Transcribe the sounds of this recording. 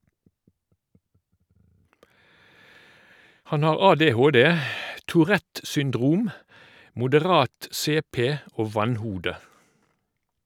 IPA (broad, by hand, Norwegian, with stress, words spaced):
ˈhɑn ˈɑːʁ ˌɑːˌdeːˈhoːˌdeː tuːˈʁɛt sʏnˈdʁuːm mʊdəˈʁɑːt ˈseːˌpeː ˈoː ˈʋɑnˌhuːdə